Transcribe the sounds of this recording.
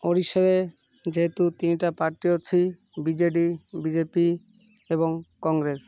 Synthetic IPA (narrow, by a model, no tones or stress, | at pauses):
oɾiʃeɾe | d͡ʑeɦet̪ut̪iniʈapaɾʈiot͡ɕʰi | bid͡ʑeʈibid͡ʑepi | eβoŋkɔŋɡɾes